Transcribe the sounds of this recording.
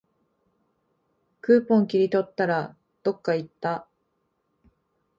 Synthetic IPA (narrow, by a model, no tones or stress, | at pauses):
kɯ̟ːpõ̞ŋkʲiɾʲit̪o̞t̪ːaɾa | d̪̥o̞kːait̪ːa